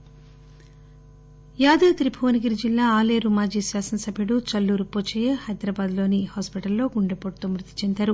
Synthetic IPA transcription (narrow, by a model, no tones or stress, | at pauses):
jaːd̪ɐt̪ɾibʰʱoːniɡiɾd͡ʒilːaːaːleːɾumaːd͡ʒiːsʋaːsɐnɐsɐbʱjɐɽut͡ʃɐlːuːɾupoːt͡ʃejehɐjd̪ɾaːbaːd̪lo̞ːnihaːspiʈɐlːo̞ːɡuɳɖepoʈ̚t̪oːmɾut̪ːi̥t͡ʃend̪aːɾu